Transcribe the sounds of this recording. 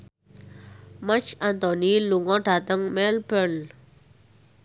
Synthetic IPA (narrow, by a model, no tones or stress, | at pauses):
mat͡ɕʰant̪ɔniluŋɔʈat̪əŋmɛlpən